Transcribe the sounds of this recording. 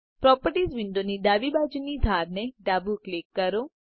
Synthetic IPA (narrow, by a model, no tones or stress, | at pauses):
pɾɔpəɾʈisʋiɳɖonid̪aʋibad͡ʒunid̪ʱaɾneɖabuklikːəɾo